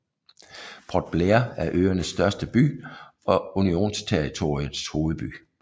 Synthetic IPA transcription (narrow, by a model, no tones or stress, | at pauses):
b̥ʰɒd̥̚b̥leɐæɐʔøːɐnəsːd̥ɶɐsd̥əb̥y̰ːɒ̽unio̝̰ːnst͡sʰeʁit͡sʰo̝ʁiən̩ˠsho̝ːð̩ˠb̥y̰ː